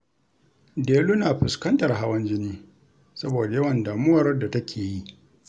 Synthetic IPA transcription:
deː˨lu˦naː˨ɸɪ˨skɐ˦ntɐ˨rɦa˦wɐ˦nd͡ʒɪ˦niː˦ | sɐ˦boː˨da˨jɐ˦wɐ˨ndaː˨mʊ˦wɐ˨rda˨tɐ˦kʲʰeː˨ji˦ʔ

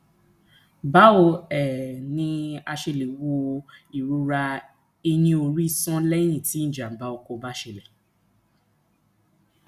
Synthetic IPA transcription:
ba˨˦o˧ɛ˨nĩ˧a˧ʃe˧le˨wo˧i˨ɾu˨˦ɾa˧ | e˧j̃ĩ˧o˧ɾi˦sɔ̃˦lɛ˦j̃ĩ˦˨tĩ˨˦˨d͡ʒa˨ba˨˦o˨˧ko˧ba˦ʃe˧˨le˨

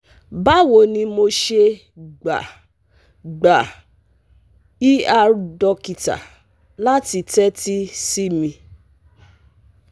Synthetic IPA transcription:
ba˦wo˨nĩ˧mo˧ʃe˧ | ɡ͡ba̰˨ | ɡ͡ba˨ | i˦a˧ɾdɔ˧ki˨ta̰˨ | la˦ti˧tɛ˦ti˦si˦mĩ˧

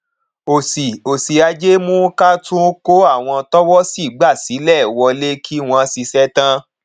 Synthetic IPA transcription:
o˨si˨o˨si˨a˧d͡ʒe˦mũ˦ka˦tũ˦ko˦a˦˨w̃ɔ̃˧tɔ˦wɔ˦si˦˨ɡ͡ba˦˨si˨˦lɛ˦˨wɔ˧le˦kʰi˦w̃ɔ̃˧˦si˧sɛ˦tã˦

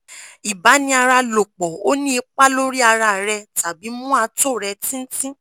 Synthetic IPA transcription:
i˨ba˨˦nĩ˧a˧ɾa˧lo˨k͡pɔ˨o˦nĩ˦i˧k͡pa˦lo˦ɾi˦a˧ɾa˧˨ɾɛ˧ta˨bi˨˦mũ˦a˧to˦˨ɾɛ˧tĩ˦n̩˦tĩ˦

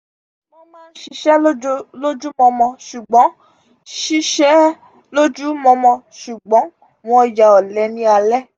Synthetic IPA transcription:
wɔ̃˦mãː˦n̩˦ʃi˧ʃɛ˦lo˦lo˦d͡ʒu˦mɔ̃˧mɔ̃˧ʃu˨ɡ͡bɔ̃˨˦ | ʃi˦ʃɛ˦ | lo˦d͡ʒu˦mɔ̃˧mɔ̃˧ | ʃu˨ɡ͡bɔ̃˨˦ | mɔ̃˨˦˨ja˨ɔ˨lɛ˨˦nĩ˦a˧lɛ˦

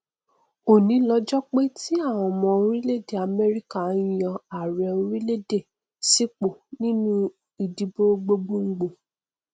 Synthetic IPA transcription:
o˦˨nĩ˨˦lɔ˧d͡ʒɔ˦k͡pe˦ti˦a˦˨w̃ɔ̃˨mɔ̃˨o˧˦ɾĩ˦le˦de˦˨a˨mɛ˦ɾi˦ka˦˨jã˧a˨ɾɛ˨o˧ɾĩ˦le˦de˦˨ | si˦k͡po˦˨nĩ˦nũ˦ | i˨di˨˦bo˦ɡ͡bo˦ɡ͡bo˦ŋ̩˦ɡ͡bo˨

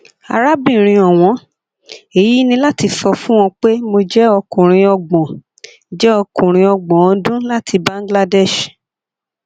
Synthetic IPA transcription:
a̰˧ɾa˦bĩ˦˨ɾ̃ĩ˧ɔ˨w̃ɔ̃˧˦ | e˦˨ji˨˦nĩ˧la˦ti˧sɔ˧fũ˦w̃ɔ̃˧k͡pe˦mo˧d͡ʒɛ˦ɔ˧kũ˨ɾ̃ĩ˧ɔ˧ɡ͡bɔ̃˨ | d͡ʒɛ˦ɔ˧kũ˨ɾ̃ĩ˧ɔ˧ɡ͡bɔ̃˨ɔ̃˨˧˦dũ˦la˦tʰi˧bã˦ŋ˦ɡla˦dɛ˦˨ʃ

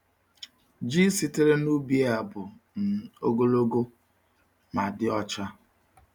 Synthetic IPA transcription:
d͡ʒi˦si˦te˦ɾe˦nu˦bi˦e˦a˨bʊ˨n̩˨o˦ɡo˦lo˦ɡo˦ | ma˨dɪ˦ɔ˦t͡ʃa˦

